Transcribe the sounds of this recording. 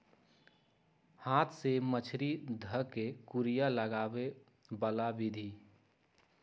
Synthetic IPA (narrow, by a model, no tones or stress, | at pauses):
haːt̪ʰsemət͡ʃʰɾid̪ʱəkekuɾijaləɡaːwe | bəlabɪd̪ʱi